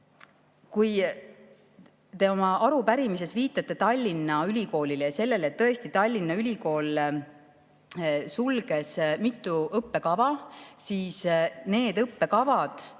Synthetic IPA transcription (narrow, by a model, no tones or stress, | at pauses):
kuj | t̪e̞o̞mɑʔɑɾupæɾimise̞sviːt̪ˑːɑt̪ːˑe̞t̪ɑlʲːinːɑylʲiko̞ːlʲilejɑse̞lːe̞lt̪ːɤ̞e̞st̪it̪ɑlʲːinːɑylʲiko̞ːl | sulɡ̥e̞smit̪ːˑuɤpːe̞kɑvɑsiːsne̞ːd̪ɤpːe̞kɑvɑd̪̥